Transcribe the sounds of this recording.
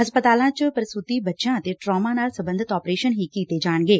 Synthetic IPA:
ɦɐspət̪aːlãt͡ʃpəɾɪsut̪ibɐtːʃãt̪eʈɾɔːmãnaːlsɐbə̃nd̪ʱɪt̪ɔːpɾeːʃənɦikiːt̪ed͡ʒaːɽ̃ɡeː

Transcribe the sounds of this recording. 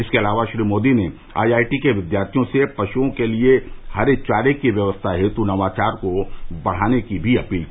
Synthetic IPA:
ɪskeɐlaːʋaʃɾiːmoːd̪ine | a̰ːjaːɪʈikeʋɪd̪jaːɾt̪ʰijõsepɾɐʃuõkeliehɐɾet͡ʃaːɾekiʋjɐʋəst̪ʰaɦɛt̪unɐʋaːt͡ʃaːɾkobɐɽ̤aːnekibʱiɐpiːl

